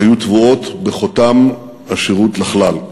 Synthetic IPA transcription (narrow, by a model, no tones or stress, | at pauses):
ajutvuo̞tbeχotam | aʃiʁutlaχlal